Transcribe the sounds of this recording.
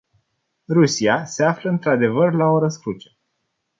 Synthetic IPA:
rusiase̞afləɨnt̪ɾad̪e̞vərlao̞ɾəskɾut͡ʃə̥

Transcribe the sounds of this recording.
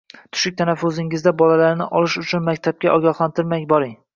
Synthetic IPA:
t̪ʰʊ̥ʃɪk̚ʲt̪ʰanafɵzɪŋɪzd̪abɒlalaɾnɪʔɒlɪʃʊt͡ʃʰʊnmakʲt̪ʰab̚kʲaʔɒɡʲɒχlant̪ʰɪɾmajʲbɒɾɪŋ

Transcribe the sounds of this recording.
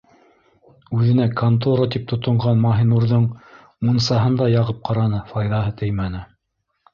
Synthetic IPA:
ʉðɘ̆nækɐnt̪̬oɾat̪ip̚t̪ŏt̪ŏɴʁɑnmɑɦinuɾðɤɴ | munsɑɦɤnd̪ɑjɑʁɤp̚qʰɑɾɑnɤfɑjðɑɦɤt̪ʰɘjmænɘ

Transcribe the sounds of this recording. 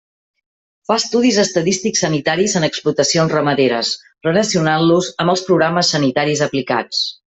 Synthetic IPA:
fast̪uðizəst̪əðist̪iksːənit̪aɾizənəksplut̪əsionzrəməðeɾəs | rələsiunanluzəmbəlˠspɾuɣɾaməsːənit̪aɾizəplika̰t͡s

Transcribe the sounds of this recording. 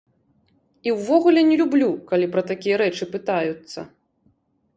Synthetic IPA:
iwvɔɣulʲɛnʲɛlʲublʲukalʲipɾɐt̪akʲijɐɾɛt͡ʂɨpɨt̪ajut̪sːɐ̰

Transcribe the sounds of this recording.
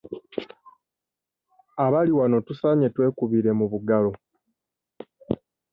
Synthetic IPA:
aβaliwano̞tusaɲe̞twe̞ːkuβiɾe̞muβuɡalo̞

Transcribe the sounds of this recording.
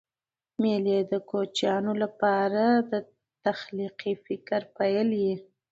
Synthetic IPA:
meled̪əkot͡ʃjɑnolapɑɾad̪ə | t̪axliqifɪkaɾpajəlji

